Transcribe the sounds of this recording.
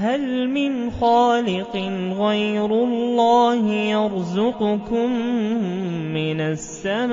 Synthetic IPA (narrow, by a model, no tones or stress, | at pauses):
halmɪnxaːlɪqɨnɣajɾʊlːaːhɪjɑɾzʊqʊkʊmː | ɪnasːam